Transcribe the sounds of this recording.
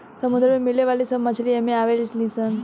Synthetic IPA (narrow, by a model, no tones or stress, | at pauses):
səmud̪ɾəmemileʋalisəmat͡ɕliemiaʋelslisən